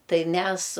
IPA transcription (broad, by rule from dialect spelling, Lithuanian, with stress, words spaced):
ˈtɐɪ ˈmʲɛs